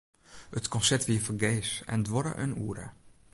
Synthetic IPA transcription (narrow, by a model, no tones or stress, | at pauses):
ətkɔ̃nsɛtʋiːəfəɡeːsɛ̰ndʋɔɾə̰ʔə̰nuəɾə̰